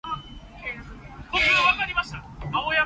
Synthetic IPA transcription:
kotiaβakaɾʲimaɕt̪amaoja

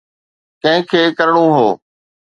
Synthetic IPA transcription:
kɐ̃ɦɪ̃kʰeːkəɾɽ̃ũːɦoː

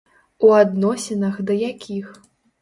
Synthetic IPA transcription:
uad̪nɔsʲɛnɐɣd̪ɐjakʲix

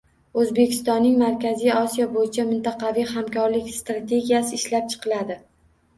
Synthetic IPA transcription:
ɵzbe̞kʲʰɪ̥st̪ɒnːɪŋmaɾkʲʰazijɒsijɒbojɪt͡ʃʰamɪnt̪ɑqɑvijhamkʲʰɒɾlɪkʲst̪ɾat̪ʰe̞ɡʲijasɪːʃlap̚t͡ʃʰɨ̥qʰɨlad̪ɪ

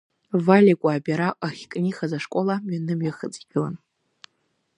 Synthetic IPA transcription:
valʲikʷʼaːbʲaɾaʔaχʲkʼniχazaʂkʷʼolaɥanɨmɥaχət͡sʼiɡʲɨlan

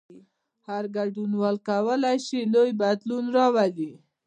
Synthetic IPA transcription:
haɾɡaɖunwɑlkawəlajʃilojbad̪lunɾɑwali

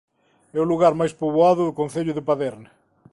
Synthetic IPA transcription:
ɛʊluɣaɾmajspoβoaðʊðʊkõnθeʎʊðɪpaðɛɾne

